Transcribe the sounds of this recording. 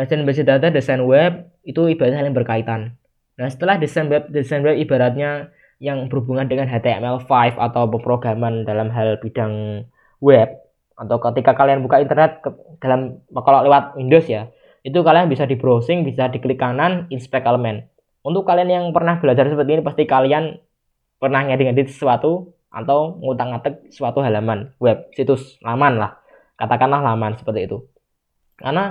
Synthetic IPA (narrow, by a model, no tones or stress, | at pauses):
asinmbesid̪at̪adəsajnwɛp̚ | it̪uib̥adat̪̚ɲalɪŋbərkait̪an | nahsə̥t̪əlahdisanwɛp̚desajnwɛp̚ibaɾat̪̚ɲa | jaŋb̥əɾubuŋandəŋanɦat̪eɛ̰mɛlfajfa̰t̪awpəpɾoɡɾamandalamɦalb̥id̥aŋ | wɛp̚ | at̪awkət̪ikakalianbukaint̪ərnɛt̪̚ | d̥a̤lamməkɔlɔlewat̪̚indosja | it̪̬ukalianbisadibɾosɪŋbisad̪ikəlikananinspɛkəlmɛn | unt̪ʊkːalianjaŋpərnahb̥ilad͡ʒarsəpərt̪inipast̪ikalian | pərnahŋadiŋadit̪̚ə̥swat̪u | ʔa̰t̪awŋut̪aŋat̪ək̚səwat̪uɦalamanwɛp̚sit̪ʊslamanlah | kat̪akanlahlamansə̥pərt̪iːt̪u | karna